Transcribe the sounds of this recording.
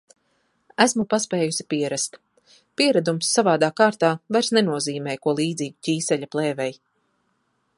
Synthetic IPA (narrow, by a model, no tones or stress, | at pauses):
æsmupaspɛːjusi̥piɛɾask̪ | piɛɾad̪umsːavaːd̪aːkaːɾt̪aːvajɾsnɛnuɔziːmɛːjkuɔlˠiːd̪ziːɡucʲiːsɛʎʲaplˠɛːvɛj